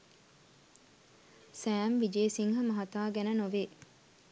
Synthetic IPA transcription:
sæːmʋid͡ʒeːsiŋɦɐmɐɦɐt̪aːɡænənoʋeː

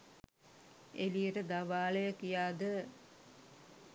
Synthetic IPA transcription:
eliəʈəd̪aʋaːləjəkijaːd̪ə

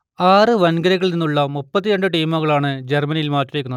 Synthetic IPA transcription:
aːrɨʋɐnɡɐɾɐɣɐɭninːuɭːɐmupːɐt̪ːijɐɳɖɨʈijmoːɣɐɭaːɳɨd͡ʑermɐnijilmaːtːurekːunɐð

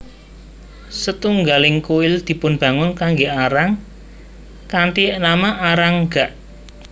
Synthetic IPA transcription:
sət̪uŋɡalɪŋkuɪld̪̥i̤pʊnb̥ä̤ŋʊnkaŋɡeaɾaŋ | kant̪iʔnamaʔaɾaŋɡ̥a̤ʔ

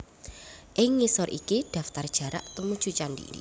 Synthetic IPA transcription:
ʔɪŋːisɔrʔḭkid̥a̤ft̪ard̥ʒ̥a̤ɾa̰ʔt̪umud̥ʒ̥ṳt͡ʃandḭ

